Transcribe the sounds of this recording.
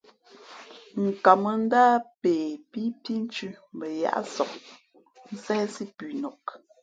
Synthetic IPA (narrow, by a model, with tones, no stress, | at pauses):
ŋ̩˨ka˨mə˦n̩˦da˦peː˨pi˦pi˦n̩˦t͡ʃʉ˦m˨bə˨ja̰˨ʔsɔ˨ʔ̚ | n̩˦sɛ˦si˦pʉ˨nɔ˨k